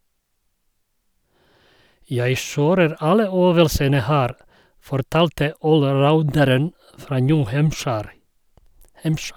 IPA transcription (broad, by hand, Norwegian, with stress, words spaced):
ˈjæɪ ˈʃøːɾəɾ ˈɑlə ˈøːʋəlsənə ˈhæːɾ fɔɾˈtɑːltə ˌoːlˈɾaʊndəɾən ˈfɾɑː ˈnjʉː ˈhæmʃæɾ